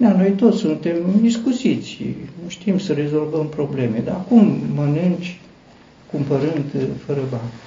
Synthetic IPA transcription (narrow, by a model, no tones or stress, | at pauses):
d̪ano̞jt̪o̞t̪sʲsunt̪e̞miskusit̪sʲuʃt̪imsəɾe̞zo̞lvəmpɾo̞ble̞me̞d̪aːkumːənɨnd͡ʒʲ | kumpəɾɨnd̪fəɾəbanʲ